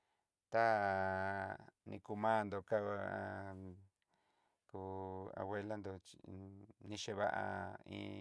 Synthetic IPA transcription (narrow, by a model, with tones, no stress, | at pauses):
t̪a˦ | nĩ˧ku˧mã˦˧nd̪o˧ka˦a˧ | ku˧a̰˧βwe˦la˦nd̪o˧t͡ʃnĩ˧ʃe˧βa˦ʔa̰˧ḭ̃ː˧